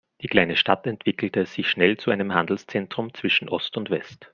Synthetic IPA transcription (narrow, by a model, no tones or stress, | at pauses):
d̥iːkʰl̥aɪnəʃtatɛntv̥ɪkl̩təz̥ɪçʃnɛlt͡suʔaɪnəmɦandl̩st͡sɛntʁ̥ʊmt͡sv̥ɪʃn̩ʔɔstʊntv̥ɛst